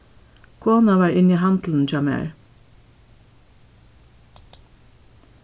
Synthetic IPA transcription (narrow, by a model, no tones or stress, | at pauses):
kʰoːnɑʋɑːɹɪniːhɑnd̪l̩n̩d͡ʒɑmæ̰ɹ